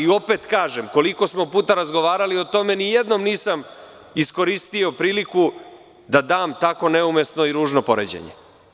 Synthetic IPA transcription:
io̞pe̞t̪kaːʒemko̞liko̞smo̞puːt̪aɾazɡo̞ʋaːɾalio̞t̪o̞me̞nijed̪no̞mniːsam | isko̞ɾist̪io̞pɾiːliku | d̪ad̪aːmt̪ako̞neumesno̞iɾuːʒnopo̞̰ɾḛd͡ʑḛɲḛ

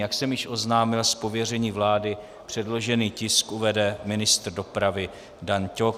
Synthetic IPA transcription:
jaksɛmjɪʃʔo̞znaːmɪlspo̞vjɛr̝ɛɲiːvlaːdɪ | pr̥ɛdlo̞ʒɛniːcɪskʔuvɛdɛmɪnɪst̪rdo̞pɾavɪ | danco

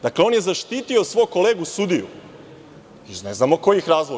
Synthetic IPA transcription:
d̪akleo̞nje̞zaʃt̪iːt̪io̞sʋo̞jko̞leːɡusud̪ijṵ | izneznamoko̞jixɾaːzlˠo

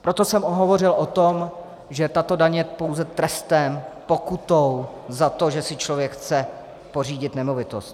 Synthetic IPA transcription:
pɾot̪o̞sɛmʔoɦovo̞rɪlot̪om | ʒɛt̪at̪o̞daɲɛjɛpo̞wzɛt̪ɾɛst̪ɛmpokut̪ow | zat̪o̞ʒɛsɪt͡ʃlovjɛkxt͡sɛ | po̞r̝iːɟɪt̪nɛmo̞vɪt̪ost̪̚

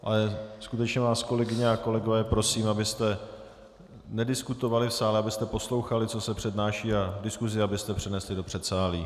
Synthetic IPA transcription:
ʔa̰lɛskut̪ɛt͡ʃɲɛvaːsko̞lɛɡɪɲɛako̞lɛɡo̞vɛːpɾo̞siːmabɪst̪ɛ | nɛdɪskut̪o̞valɪfsaːlɛabɪst̪ɛpo̞slo̞wxalɪt͡so̞sɛpr̝̥ɛdnaːʃiːadɪskuzɪabɪst̪ɛpr̝̥ɛnɛslɪdo̞pr̝̥ɛt̪saːliː

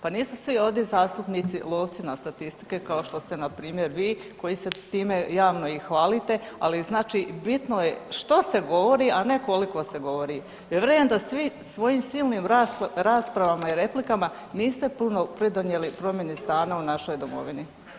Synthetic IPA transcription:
paniːsusʋio̞ʋd̪jezaːst̪upnit̪sḭlˠo̞ːʋt̪sinast̪at̪ist̪i̥ke̞kao̞ʃt̪o̞st̪e̞napɾiːmje̞ɾʋiːko̞jise̞t̪iːme̞jaːʋno̞ixʋaːlit̪e̞aliznaːt͡ʃibit̪no̞je̞ʃt̪o̞se̞ɡo̞ʋo̞ɾiʔane̞ko̞liko̞se̞ɡo̞ʋo̞ɾi | jeʋɾejend̪asʋisʋo̞jimsiːlˠniːmɾɾaːspɾaʋamaiɾe̞plikama | niːst̪e̞puno̞pɾid̪o̞nje̞lipɾo̞mjenist̪aːnaunaʃo̞jd̪o̞mo̰ʋini

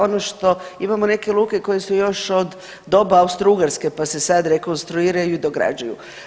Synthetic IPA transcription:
o̞noʃt̪o̞imamo̞ne̞ke̞lˠuːkeko̞je̞sujo̞ʃo̞d̪ː | o̞baaust̪ɾuɡaɾske̞pase̞sad̪ɾe̞ko̞nst̪ɾuiːɾajuid̪o̞ɡɾa̰d͡ʑajṵ

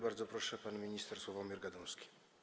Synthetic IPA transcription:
baɾd̪zɔpɾɔʂɛpanmʲiɲist̪ɛɾswɔvamʲjɛɾɡad̪ɔwskʲi̥

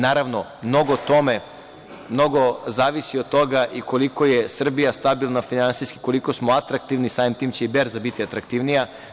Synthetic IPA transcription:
naːɾaʋno̞mno̞ɡot̪o̞me | mno̞ɡo̞zaːʋisiod̪̚t̪o̞ɡaʔiko̞liko̞jesr̩bijast̪abilˠnafinansiski̥koliko̞smoat̪ɾak̚t̪iʋnisaːʋimt̪iːmt͡ɕe̞ibeɾzabit̪iat̪ɾakt̪iʋnija

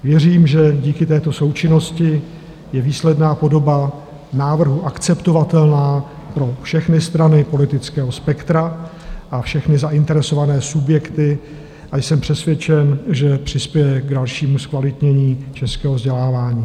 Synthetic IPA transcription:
vjɛriːmʒɛɟiːkɪt̪ɛːt̪o̞so̞wt͡ʃɪnoscɪ | jɛviːslɛdnaːpo̞do̞ba | naːvr̩ɦuʔakt͡sɛpt̪o̞vat̪ɛlnaː | pɾo̞fʃɛxnɪst̪ɾanɪpo̞lɪt̪ɪt͡skɛːɦo̞spɛkt̪ɾa | ʔafʃɛxnɪzaʔɪnt̪ɛɾɛso̞vanɛːsubjɛkt̪ɪ | ʔajsɛmpr̥ɛsvjɛt͡ʃɛnʒɛpr̝̥ɪspjɛjɛɡdalʃiːmuskvalɪt̪ɲɛɲiːt͡ʃɛskɛːɦovzɟɛlaːvaːɲiː

